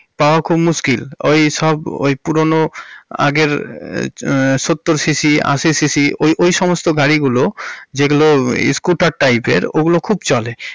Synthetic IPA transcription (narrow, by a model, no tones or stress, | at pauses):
paoakʰubmuskilo̰jʃɔbo̰jpuɾonoa̰ɡeɾ | ʃot̪ːoɾsisia̰sisisiojʔojʃɔmost̪oɡaɽiɡulod͡ʑeɡuloḭskuʈaɾʈːajpḛɾoɡulokʰubt͡ɕɔle